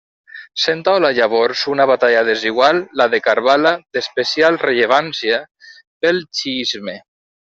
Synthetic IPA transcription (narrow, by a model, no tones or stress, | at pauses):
sent̪awlaʎaβoɾsunaβat̪aʎaðeziɣwalːaðekaɾβalad̪espesialreʎeβ̞ansja | pelt͡ʃiizme